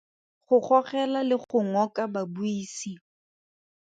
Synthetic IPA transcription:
χʊχɔχɛlalɪχʊŋɔkababuiːsi

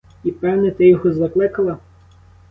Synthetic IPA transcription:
ipɛwnɛt̪ɪjɔɦɔzɐklˠɪkɐlˠɐ

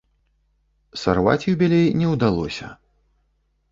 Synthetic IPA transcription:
sarva̰t͡sʲubʲɛlʲejnʲɛwd̪alˠɔsʲɐ̰

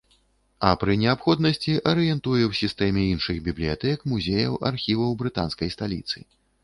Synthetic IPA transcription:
ɐpɾɨnʲɛapxɔd̪nɐsʲt͡sʲiʔɐɾɨjɛnt̪ujɛwsʲist̪ɛmʲɛinʂɨɣbʲiblʲijat̪ɛkmuzʲejɐ̰wa̰rxʲivɐwbɾɨt̪anskɐjst̪alʲḭt̪sɨ̰

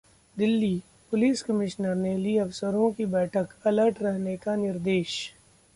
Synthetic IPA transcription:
d̪ɪlːiː | pʊliːskɐmɪʃnəɾneliɐfsəɾõkibɛːʈʰəkɐləɾʈʰɾɛɦnekanɪɾd̪eːʃ

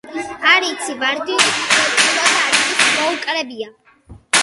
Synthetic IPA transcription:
aɾit̪sʰivaɾd̪iuliɔt̪ʼuɾad̪aːɾismɔukʼɾɛbia

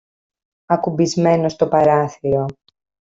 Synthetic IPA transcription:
ɐkubizme̞no̞st̪o̞pɐɾɐθiɾo̞

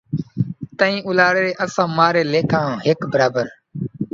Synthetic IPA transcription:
t̪əĩːʊlaːɽeːɾeːʔəsãːmaːɾeːleːkʰãːɦekbəɾaːbəɾ

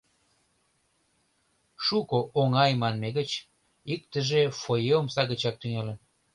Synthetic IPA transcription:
ʃukoʔoŋɑjmɑnmeɣət͡ɕ | ik̚t̪ə̆ʒefojeomsɑɣət͡ɕɑk̚t̪yŋelen

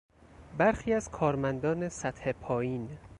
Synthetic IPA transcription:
bæɾxiːæzkʰɒːɾmænd̪ɒːne̞sæt̪he̞pʰɒːjiːn

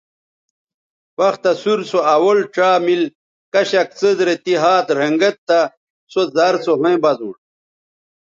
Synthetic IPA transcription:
wɐxt̪ɐsuɾsoɐwolʈ͡ʂaːmil | kɐɕak̚t͡sɨzɾet̪iɦaːt̪ɾɐŋɡɐt̪ːa | sozaɾsoɦoẽbɐzṵ̃

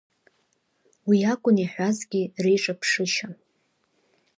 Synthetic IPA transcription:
wiakʷʼʊniħʷᶣazɡʲirejʈ͡ʂʼapʰʂɨʃa

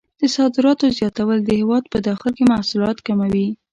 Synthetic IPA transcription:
d̪̥əsɑd̪ɪɾɑt̪ozjɑt̪awəld̪əhɪwɑd̪̚pəd̪ɑxɪlkemahsʊlɑt̪kamawi

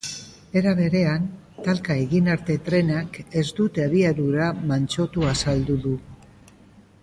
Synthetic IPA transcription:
e̞ɾaβ̞e̞ɾe̞an | t̪alkae̞ɣinaɾt̪e̞t̪ɾe̞nake̞zd̪ut̪eaβiaðuɾamant͡ʃo̞t̪uasald̪uðu

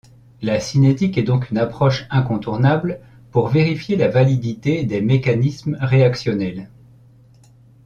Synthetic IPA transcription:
lasinet̪ikɛd̪ɔ̃kynapχɔʃɛ̃kɔ̃t̪uʁnabl | puʁveʁifjelavalid̪it̪ed̪emekanismʁeaksjɔnɛl

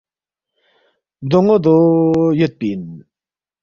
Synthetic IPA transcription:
d̪oŋod̪ojøt̪̚pin

